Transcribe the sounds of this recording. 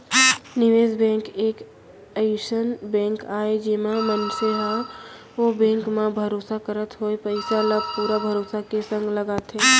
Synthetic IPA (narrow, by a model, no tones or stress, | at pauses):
nɪʋeːzbɛ̃ːŋkeːk | əjuːʃənbɛ̃ːŋkaːed͡ʒeːmamənseɦa | obɛ̃ːŋkmẽbʱəɾoːsakəɾət̪ɦoepəɪsaləb̚puːɾabʱəɾoːsakesə̃ŋɡləɡaːt̪ɦeː